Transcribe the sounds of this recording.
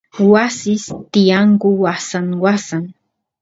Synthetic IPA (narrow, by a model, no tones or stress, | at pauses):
wasɪst̪ɪjaŋkʊwasaŋwasaŋ